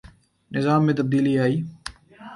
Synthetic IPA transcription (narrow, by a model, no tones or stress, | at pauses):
nɪzaːmːẽːt̪əb̚d̪iːliaːiː